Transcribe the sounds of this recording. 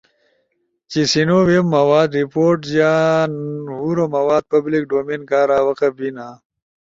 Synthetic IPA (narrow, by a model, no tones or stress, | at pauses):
t͡ɕisinowemːɐwaːd̪ɾipoːɾʈzanhuɾomɐwaːd̪̚pɐblik̚ɖoːmeːnkaːɾaːwɐqɐbinaː